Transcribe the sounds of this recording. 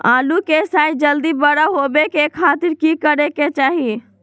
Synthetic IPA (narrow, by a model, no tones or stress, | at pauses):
aːlukesaːjd͡ʒəld̪ibəɽaɦoːbekekʰːaːt̪ɪɾkikəɾeket͡ʃaːɦi